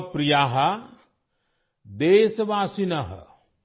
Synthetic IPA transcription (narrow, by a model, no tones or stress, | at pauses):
pɾijaːɦɐ | d̪eːsʋaːsinɐɦ